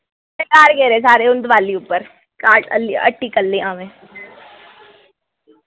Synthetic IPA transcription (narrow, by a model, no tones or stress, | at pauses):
ɐɾkaːɾkeːɾeːsaːɾeːʊnd̪ʋaːliʊpːəɾ | kaːʈə̰liə̰ʈʰːiːkəlːeːãːʋẽː